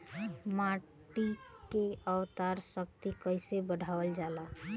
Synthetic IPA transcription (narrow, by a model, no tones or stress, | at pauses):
ma | ʈikeəwt̪aɾsək̚t̪ikəɪsebəɽʱaːwəld͡ʒala